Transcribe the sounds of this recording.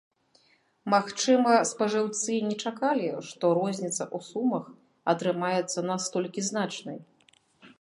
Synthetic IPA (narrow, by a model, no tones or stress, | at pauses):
maxt͡ʂɨmɐspɐʐɨwt̪sɨnʲɛt͡ʂakalʲiʂt̪ɔɾɔzʲnʲit̪sɐʔusumɐx | ɐt̪ɾɨmajɛt̪sːɐnast̪ɔlʲkʲiznat͡ʂnɐj